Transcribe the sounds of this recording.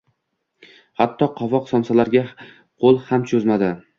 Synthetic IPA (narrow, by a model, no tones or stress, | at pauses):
hat̪ʰːɒqʰɒvɒqsɒmsalaɾɡʲa | qʰolˠhamt͡ʃʰɵzmad̪ɪ